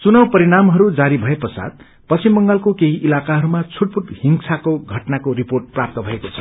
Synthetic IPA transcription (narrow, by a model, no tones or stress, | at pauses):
t͡sunʌwpʌɾiɽamɦʌɾud͡zaɾibʱʌepʌsa̰d̪̚ | pʌsimːʌŋɡalkokeɦiʔilakaɦʌɾumat͡sʰuʈ̚puʈhiŋsʰakoɡʱʌʈnakoriporʈ̚prap̚t̪ʌbʱʌekot͡sʰʌ̥